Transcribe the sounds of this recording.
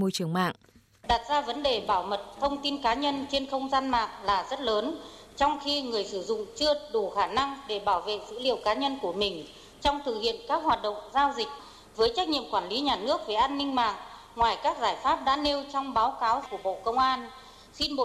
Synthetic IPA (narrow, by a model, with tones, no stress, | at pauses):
mo˧˨jt͡ɕɨ˧˩əŋma̰ː˧˨ŋ | ɗaː˨˩t̚zaː˧və˨˦nɗe˨˩ɓaː˧˩wmə˨˩t̚t̪ʰə˧wŋ͡mt̪i˧nkaː˨˦ɲə˧nt͡ɕe˧nxə˧wŋ͡mzaː˧nma̰ː˧˨ŋlaː˨˩zə˦˥t̚ləː˨˦n | t͡ɕɔ˧wŋ͡mxi˧ŋɨ˨˩əjsɨ˧˩zʊ̰˧˨ŋ͡mt͡ɕɨ˧əɗu˧˩xaː˧˩na˧ŋɗe˧˩ɓaː˧˩wvḛ˧˨zɨ̰˧˥lḭ˧˨əwkaː˨˦ɲə˧nku˧˩əmï˨˩ŋ̟ | t͡ɕɔ˧wŋ͡mt̪ʰɨ˨˩k̚hḭ˧˨ənkaː˦˥k̚hwaː˨˩t̚ɗə̰˧˨wŋ͡mzaː˧wzï˨˩k̚ | vəː˨˦jt͡ɕa˦˥k̚ɲḭ˧˨ə˨mkwaː˧˩nli˨˦ɲaː˨˩nɨ˦˥ək̚ve˨˩ʔaː˧nːï˧ŋ̟ma̰ː˧˨ŋ | ŋwaː˨˩jkaː˦˥k̚zaː˧˩jfaː˦˥p̚ɗa̰ː˧˥ne˧wt͡ɕɔ˧wŋ͡mɓaː˨˦wkaː˨˦wku˧˩əɓo̰˧˨kə˧wŋ͡mʔaː˧n | xi˧nɓo̰˧˨